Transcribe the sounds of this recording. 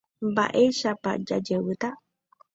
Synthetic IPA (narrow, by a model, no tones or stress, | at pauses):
ba̰ʔeʃapa̰ʔd͡ʒa̰d͡ʒəwɨt̪aʔ